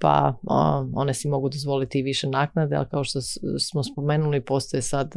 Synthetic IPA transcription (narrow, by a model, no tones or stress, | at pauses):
pa̰ | o̞̰nesimo̞ɡud̪ozʋo̞lit̪iʋiʃenaːknad̪ea̰lkaoʃt̪osmospo̞meːnulipo̞st̪ojesad̪